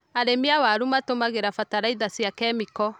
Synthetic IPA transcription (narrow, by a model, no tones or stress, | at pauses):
aɾemiawaɾumatomaɣeɾafataɾaiðasjakɛmikɔ